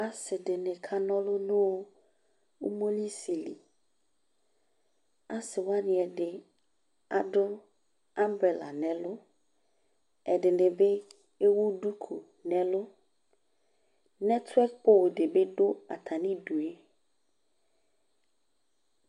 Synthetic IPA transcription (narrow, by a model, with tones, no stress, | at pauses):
a˨sɪ˨dɪ˨nɪ̃˨kʰa˦nɔ̃˦lʊ˦nʊ̃˦wo˦ | u˦mo˦li˦si˨lḭ˨ | a˨sɪ˨wa˦nɪ̃˨ɛ˨dɪ˨ | a˨dʊ˦ | a˦mbɾe˨la̰˨nɛ̃˨lʊ˦ | ɛ˨dɪ˨nɪ˨be˦ | e˦wo˦du˦kʰu˨ | nɛ˨lʊ˦ | nɛ˦tʰɛ˦k̚k͡po˦wdɪ˨be˦ɖʊ˦a̰˨t̪ʰa˨nĩ˦du˨e˦